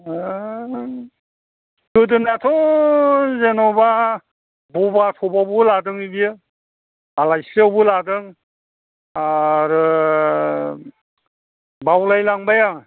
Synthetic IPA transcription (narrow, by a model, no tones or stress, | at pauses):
kɯdɯnatʰɔ | zenɔba | bubatʰɔbabuladɯŋibi | alajsawbɯladɯŋ | aɾɯ | bawlajlaŋbaja